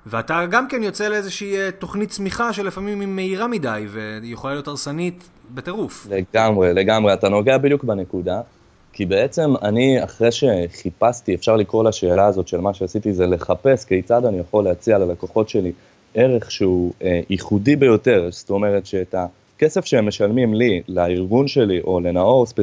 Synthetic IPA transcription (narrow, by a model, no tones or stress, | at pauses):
veataɡamke̞njot͡seleezeʃiːt̪o̞χnitt͡smiχaʃelefamimimːeiʁamidajve̞jeχolajotaʁsanit̪ | beteʁufleɡamʁe̞le̞ɡamʁeatano̞ɡeabid̪jukbene̞kuda | kibe̞et͡se̞maniaχʁeʃe̞χipastiefʃaʁlikoʁlaʃe̞ːlaːzo̞tʃe̞lmaʃeasitizele̞χape̞skejt͡sadanijaχoleat͡sialalakoχo̞tʃe̞li | eʁe̞χʃeueiχudibe̞jo̞te̞ʁsto̞me̞ʁe̞tʃeːta | ke̞se̞fʃeemːe̞ʃalmimlilaiʁɡunʃe̞liʔo̞le̞nao̞ʁspe